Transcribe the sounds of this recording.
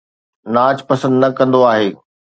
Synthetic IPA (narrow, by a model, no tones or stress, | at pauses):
naːt͡ɕpɐsə̃nd̪nɐkɐ̃nd̪oaːɦeː